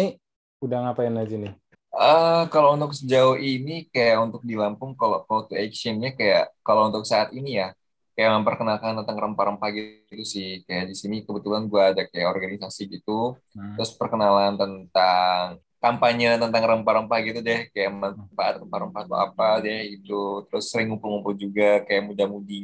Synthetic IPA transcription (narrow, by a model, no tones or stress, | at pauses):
i | udaŋapaɛnad͡ʒinɪ | əkalount̪ʊk̚səd͡ʒaʊhinikajaʔunt̪ʊk̚dilampʊŋkalokolt̪uɛksənɲakajaʔkalount̪ʊk̚saːt̪inijah | kajaʔməmpərkənalkant̪ənt̪aŋrəmpaɾəmpahɡi | t̪usɪhkajaʔdisinikəbət̪ulanɡuaːdakajaʔɔrɡanisasiɡit̪ut̪ɾʊspərkənalant̪ənt̪aŋ | kampaɲat̪ənt̪aŋrəmpaɾəmpahɡit̪udɛhkajaʔmmannfaʔa̰t̪̚rəmpaɾəmpat̪ṵa̰padɛhit̪ut̪əɾʊsːəɾɪŋumpʊlŋumpʊld͡ʒuɡakajaʔmudamudi